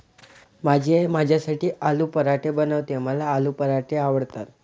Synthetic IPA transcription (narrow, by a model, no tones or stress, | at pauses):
mad͡ʑʱeemad͡ʑʱjasaʈiːʔalupəɾaʈebənəʋt̪eməlaːlupəɾaʈeaʋəɽt̪at̪